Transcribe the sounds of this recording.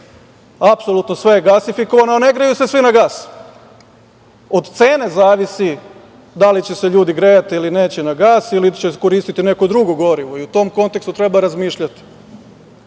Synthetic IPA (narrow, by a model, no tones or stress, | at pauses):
apso̞lut̪no̞sʋe̞jeɡasifiko̞ʋanoane̞ɡɾajuse̞sʋinaɡaːs | o̞d̪t̪se̞ːne̞zaːʋisi | d̪alit͡ɕe̞se̞ʎuːd̪iɡɾeːat̪iiline̞ːt͡ɕenaɡaːsilit͡ɕeko̞ɾiːst̪it̪ine̞kod̪ɾuɡoɡo̞ɾiʋoiut̪o̞mko̞nt̪ekst̪ut̪ɾe̞baɾazmiːʃʎat̪i̥